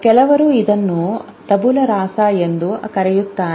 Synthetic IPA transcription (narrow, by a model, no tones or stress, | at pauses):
kɛlɐʋɐɾuid̪ɐnːu | t̪ɐbulɐɾaːsaend̪ukɐɾɛjut̪ːaː